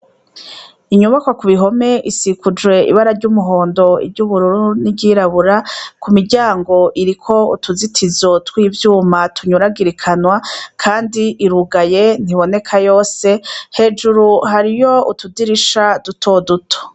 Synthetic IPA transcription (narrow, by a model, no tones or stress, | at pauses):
iɲuβakwakuβiɦo̞me̞ʔisikud͡ʒwe̞ḭβaɾaɾɟuːmuɦo̞ːndo̞ḭbɟuːβuɾuɾuniɟiɾaβuɾakumiɾɟaːŋɡo̞ʔiɾikʰo̞ṵtuzitʰizo̞twiːvjuːmatʰuɲuɾaɡiɾikʰanwakʰaːndiʔiɾuɡajen̥iβo̞ne̞kʰajo̞ːse̞he̞ːd͡ʒuɾuɦaɾijo̞utudiɾiʃadutʰo̞dutʰo̥